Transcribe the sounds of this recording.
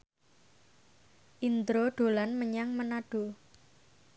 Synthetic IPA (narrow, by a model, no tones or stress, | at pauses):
ʔind̪ɾoɖ̪̥o̤lanməɲaŋmənaɖ̥o̤